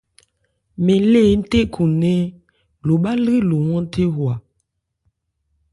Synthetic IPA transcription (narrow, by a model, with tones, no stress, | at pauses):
me˨le˦˨˦n̩˦te˦kʰu˨ne˦ | lo˨ɓa˦lɣi˦lo˨wɔ˦n˦tʰe˦ɦwa˨